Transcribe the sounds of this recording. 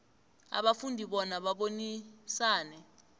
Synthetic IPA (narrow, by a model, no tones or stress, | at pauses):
a̰ɓafundʱiɓɔnaɓaɓonisaːnɛ